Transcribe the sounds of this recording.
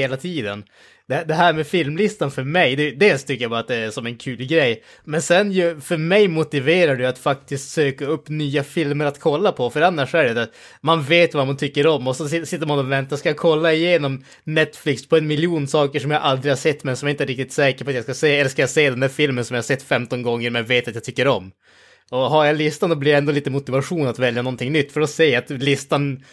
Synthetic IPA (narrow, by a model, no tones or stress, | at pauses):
eːlat̪ʰiːd̪ə̰n | d̪̥ɛd̪ɛɦæːɾmɛfɪlmlɪst̪anfœɾmɛjd̪ɛd̪eːlst̪ʰʏkːəjabɑːɾat̪d̪ɛæsɔmɛnkʰʉːlɡɾɛjː | mɛnsɛnjɵfœɾmɛjmʊt̪ɪveːɾaɖɛat̪fak̚t̪ɪskt̪søːkaɵpːnyːafɪlməɾat̪kʰɔlːapʰɔfœɾanːaʂɔæɖɛd̪at̪ | manveːt̪vamant̪ʰʏkːəɾɔmːɔsɛnsɪsɪt̪ːəɾmanɔvɛnt̪askajakʰɔlːaɪjeːnɔm | nɛt̪flɪkspʰɔɛnmɪljuːnsɑːkəʂɔmjaʔald̪ɾɪhaʂɛt̪ːmɛnsɔmjaɾɪnəɾɪk̚t̪ɪt̪sɛːkəɾpʰɔat̪jaskaseːɛlːəʂkajaseːd̪ɛnd̪æːɾfɪlmənsɔmjahasɛt̪ːfɛmt̪ɔnɡɔŋːəɾmɛjaveːt̪at̪jat̪ʰʏkːəɾɔm | ɔɦaɾjalɪst̪and̪ɔbliɾɛnd̪ɔliːt̪əmʊt̪ɪvaɧuːnat̪vɛljanɔnt̪ʰɪŋnʏt̪ːfœɖɔseːat̪lɪst̪an